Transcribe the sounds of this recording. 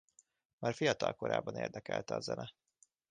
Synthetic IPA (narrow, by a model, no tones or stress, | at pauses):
maːrfijɒt̪ɒlko̞ɾa̰ːbːɒnḛːrd̪ɛkɛlt̪ɛɒzɛnɛ